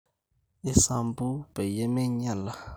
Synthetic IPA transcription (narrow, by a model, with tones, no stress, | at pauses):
e˦sa˨mbu˦be˨jɛ˦me˦ɲa˦˨la˨